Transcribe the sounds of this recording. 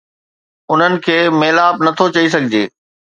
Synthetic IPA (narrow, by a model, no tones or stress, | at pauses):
ʊn̤ənɪ̆kʰeːmeːlaːbnɐt̪ʰot͡ɕɐis̬ɐɡʱɪd͡ʑeː